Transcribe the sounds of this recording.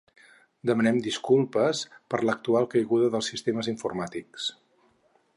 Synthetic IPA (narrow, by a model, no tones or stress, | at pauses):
d̪əmənɛmd̪iskulˠpəspəɾlək̚t̪ualˠkəjɣuðəðəlˠsist̪eməziɱfurmat̪iks